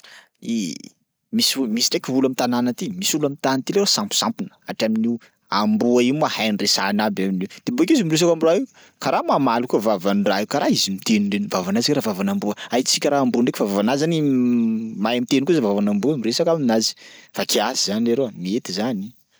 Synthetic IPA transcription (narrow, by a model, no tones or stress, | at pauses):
i | misumisiʈ͡ʂekʲivulamit̪ananət̪imisulamit̪ant̪ileɾosampu̥sampinə̥aʈ͡ʂamini | ambuaimahajnresanabaminiwd̪̥ebuekʲizimiɾes̬akamiɾaiw | kaɾamamalukuəvavaniraikaɾaizimit̪eniɳɖ͡ʐenvavanazakaɾavavanambuəait͡sikʲəɾaambuɳɖ͡ʐekʲfavavanazani | majamit̪enikuzavavanambumiɾesakaminazi̥fakiazizanleɾomiet̪izani